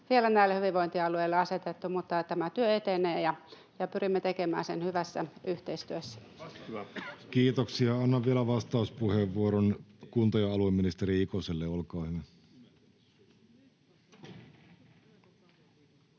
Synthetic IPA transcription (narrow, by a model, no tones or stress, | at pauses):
ʋielænæilːehyʋiʋoint̪iɑlueilːɑɑset̪et̪ːumut̪ːɑt̪æmæt̪yøet̪eneːjɑ | jɑpyrimːet̪ekemæ̰ːsenhyʋæsːæ̰yht̪eist̪yøsːæ̥ | kiːt̪oksiɑɑnːɑʋʋielæʋɑst̪ɑuspuheːʋːuoɾonkunt̪ojɑɑlueminist̪eɾiikoselːeolkɑːhyʋæ